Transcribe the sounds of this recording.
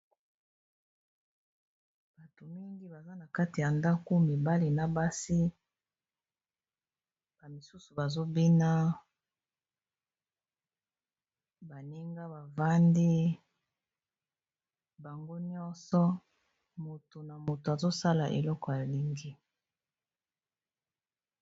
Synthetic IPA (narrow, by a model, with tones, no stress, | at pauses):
b̥a˨to˨mi˦ŋɡi˦ba˨za˦na˨ka˦ti˨ja˨nda˦ko˦mi˨ba˦li˨na˨ba˦si˦ | b̥a˨mi˨su˦su˨ba˨zo˦bi˦na˦ | ba˨ni˦ŋɡa˦ba˨va˦ndi˦ | ba˨ŋɡo˦ɲɔ˦nsɔ˦ | mo˨to˨na˨mo˨to˨a˨zo˦sa˦la˨ʔḛ˨lɔ˦kɔ˨a˨li˦ŋɡi˦